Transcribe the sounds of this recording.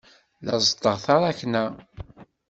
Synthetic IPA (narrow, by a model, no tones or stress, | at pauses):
lə̰zˤd̪əʁθɑɾˤaçnæ